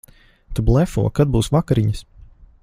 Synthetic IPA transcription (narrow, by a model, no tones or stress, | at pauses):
t̪ublˠɛfuɔkad̪̚buːsvakaɾiɲəs